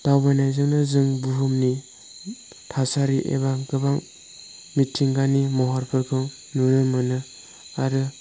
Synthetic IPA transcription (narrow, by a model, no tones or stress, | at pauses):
d̥awbanajzɯŋnazɯŋbuɦɯmni | tʰasaɾiʔḛbaɡɯbaŋ | mitʰːiŋɡanimɔɦɔɾpʰɯɾkʰɯŋ | nunɯmɯnɯ | aɾɯ